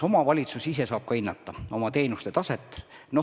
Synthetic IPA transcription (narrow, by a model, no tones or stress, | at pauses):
o̞mɑvɑlʲit̪susise̞sɑːb̥̚kɑinːɑt̪ːˑɑo̞mɑt̪e̞ːnust̪e̞t̪ɑset̪ːˑno